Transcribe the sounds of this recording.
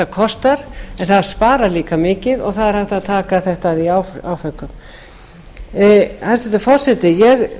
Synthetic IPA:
takʰɔst̪aɾ̥ɛnθaðɾ̥spaːɾaliːkamɪːcɪðɔ̰ɣθaðɛɾhaht̪aðt̪ʰaːkaθɛht̪aðiawawfœkːʏm | hasɛt̪ɪfɔr̥sɛt̪ɪjɛɣ

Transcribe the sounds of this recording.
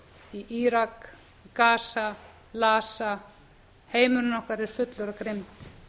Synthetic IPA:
iʔiːɾakː | aːsa | laːsa | heːjmʏɾnɔhkaɾɛɾ̥fʏt̪lʏɾakɾemt̪

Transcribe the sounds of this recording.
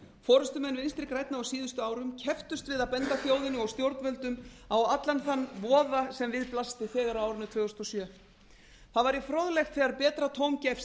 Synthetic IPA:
fɔːɾʏst̪ʏmɛnvɪnst̪ɾɪkɾajt̪naawsiːðʏst̪ʏaːwɾʏmcʰɛft̪ʏst̪vɪðaðpɛnt̪afjoːwðɪnʏɔwst̪jowɾt̪nvɛlt̪ʏmawat̪lanθanːvɔːðasɛmvɪðplast̪ɪfɛːɣaɾaaːwɾʏnʏt̪ʰvœːʏst̪ɔsjœː | θaðvaɾifɾoðlɛxt̪θɛɣaɾpɛːt̪ɾat̪ʰowmcɛfs

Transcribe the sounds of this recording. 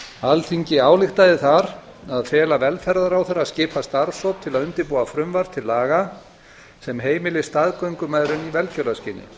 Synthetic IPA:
alθiɲcɪaːwlɪxt̪aðɪθaɾ | aðfɛːlavɛlfɛɾðaɾawθɛɾascɪːpʰast̪aɾsowp̚t̪ʰɪlaðʏnt̪ɪɾpuːafɾʏmvaɾt̪ʰɪlːaːɣa | sɛmɦeːjmɪlɪst̪aðkœɥŋkʏmaːjðɾʏnivɛlcœɾlðascɪːnːɪ̰

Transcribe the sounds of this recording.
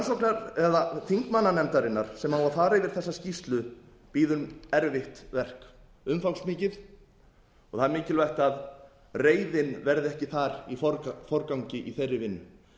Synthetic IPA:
ansowknaɾɛðaθiŋkmanːanɛmt̪aɾɪnːaɾ̥sɛmaːwafaːɾaɪvɪɾ̥θɛsːascist̪lʏ | piːðʏmɛɾvɪht̪vɛr̥k | ʏmfawksmɪːcɪθ | ɔɣθaðɾmɪːcɪlvajht̪að | reːjðɪnvɛɾðɪɛhcɪθaɾifɔɾfɔɾkawɲcɪʔiθejrːɪvɪnːʏ

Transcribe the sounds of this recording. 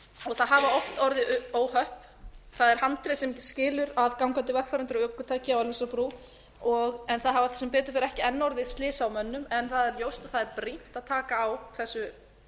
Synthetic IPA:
ɔɣθaðɦavaɔft̪ɔɾðɪoːwhœhp | θaðɛɾ̥hant̪ɾɪsɛmcscɪːlʏɾaðkawŋkant̪ɪvɛhkfaɾʏnt̪ɾɔœːkʏt̪ʰaːjcɪawɛlvisapɾuː | ɔɣɛnθaðɦhavaθɛ̥sːʏmpɛːt̪ʏ̥fɪɾɛhcɪɛnːɔɾðɪst̪lɪːsawmœnːʏmɛnθaðɛɾljoːwst̪aðθaðɛɾpɾin̥t̪aðt̪ʰaːkaːwθɛsːʏ

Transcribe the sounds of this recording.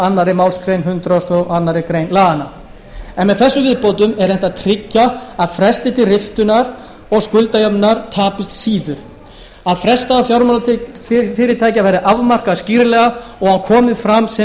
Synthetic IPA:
anːaɾɪmawlskʰɾejnɦʏnt̪ɾawst̪ɔɣanːaɾɪkɾejnlaːɣana | ɛnmɛðθɛsːʏvɪðpowt̪ʏmɛɾɛnt̪at̪ʰɾɪcːaaðfɾɛst̪ɪt̪ʰɪrɪft̪ʏnaɾ | ɔɣskʏlt̪ajœpnaɾ̥t̪ʰaːpɪlt̪siːðʏɾ̥ | aðfɾɛst̪aːwfjawɾma | fɪːɾɪt̪ʰaːjcɪavɛːɾɪʔavmar̥kaðsciɾlɛɣaɔɣankʰɔːmɪðfɾamsɛ

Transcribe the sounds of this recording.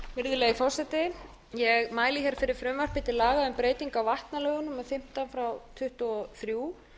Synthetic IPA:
vɪɾðʏlejɣfɔwr̥sɛt̪ɪ | jɛɣmaːjlɪçɛɾ̥fɪɾɪɾ̥fɾʏmvar̥pɪt̪ɪlaːɣaʏmpɾeːjt̪iŋkawvaht̪nalœːɣʏnʏmːɛðfɪm̥t̪anfɾawt̪ʰʏht̪ʏɔθɾjuː

